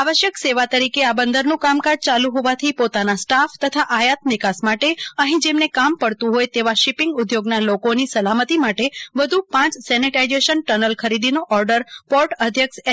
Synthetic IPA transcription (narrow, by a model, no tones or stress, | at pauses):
aʋəʃjəkseʋat̪əɾikeabənd̪əɾnũkamkaɾd͡ʒt͡ʃalũɦoʋat̪ʰipot̪anasʈaft̪ət̪ʰaʔajat̪̚nɪkasmaʈeəɦĩd͡ʒemnekampəɽt̪ũɦojt̪eʋaʃipɪŋɡʊd̪joɡnalokonisəlamət̪imaʈeʋəd̪ʱupãt͡ʃsɛniʈajd͡ʒeʃənʈənəlkʰəɾid̪inoʔɔɾɖəɾpɔɾʈəd̪ʱjəks